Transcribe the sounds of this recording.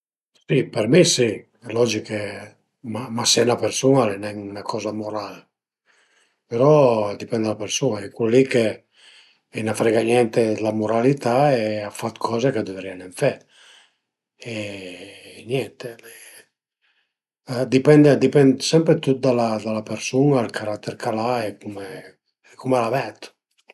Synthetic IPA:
sipeɾmisi | lɔd͡ʒike | mamasɛnapeɾsunalenɛŋunakʰɔːzamoɾal | peɾɔd̪ipɛnd̪alapeɾsuːnaɛkulːike | enafɾɛɡanjɛnt̪elamoɾalit̪aeafat̪kʰɔːzekad̪evɾianeɱfɛ | e | nɛnt̪ee | d̪ipɛnd̪ed̪ipɛnd̪sɛmpɾet̪ut̪̚d̪alad̪alapeɾsunalkʰaɾat̪ːeɾkʰalaɛkume | kumelavɛt̪

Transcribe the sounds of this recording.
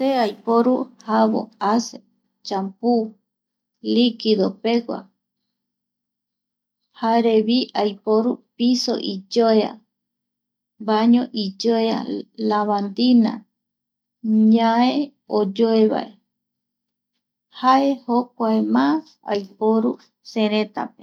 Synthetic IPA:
seajpoɾuhaβo̰ase | t͡ʃampu | likiðopeɡʷa̰ | haɾeβiʔajpoɾupiso̰ʔid͡ʒoea̰ | baɲõʔid͡ʒoea̰laβand̪ina̰ | ɲãe | od͡ʒoeβa̰ʔe | hae̞hok̚ʷaemãs | a̰jpoɾu | seɾet̪a̰pe

